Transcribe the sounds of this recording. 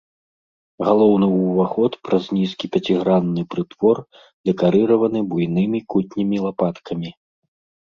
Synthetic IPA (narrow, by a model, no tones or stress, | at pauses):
ɣalˠɔwnɨwvaxɔt̪pɾɐzʲnʲiskʲipʲɐt͡sʲiɣɾanːɨpɾɨt̪v̥ɔr | d̪ɛkaɾɨɾɐvɐnɨbujnɨmʲikut̪ʲnʲimʲilˠapat̪kʰɐmʲi